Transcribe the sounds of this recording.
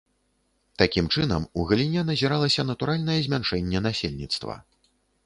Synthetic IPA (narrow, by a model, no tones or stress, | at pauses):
t̪akʲimt͡ʂɨnɐmuɣɐlʲinʲɛnɐzʲiɾalˠɐsʲɐnɐt̪uɾalʲnɐjɛzʲmʲanʂɛnʲːɛnasʲelʲnʲit̪st̪vɐ̰